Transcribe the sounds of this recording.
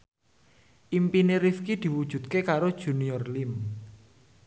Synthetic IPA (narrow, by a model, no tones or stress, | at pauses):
ʔimpiniɾifkid̪̥i̤wud̥ʒ̥ṳt̪̚kekaɾod̥ʒ̥ṳniɔrlim